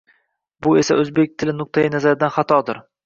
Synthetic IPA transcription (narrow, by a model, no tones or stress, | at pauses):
bʊe̞saɵzbek̚ʲt̪ʰɪlɪnʊq̚t̪ʰajɪnazaɾɪd̪anχɑt̪ʰɒd̪ɪɾ